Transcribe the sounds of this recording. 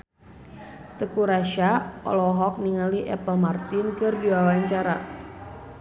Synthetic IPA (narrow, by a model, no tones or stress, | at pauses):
t̪əkuɾaʃaɔ̰lɔɦɔk̚niŋaliʔɛ̰pəlmart̪ɪnkɨrdiwawaɲt͡ʃaɾa̰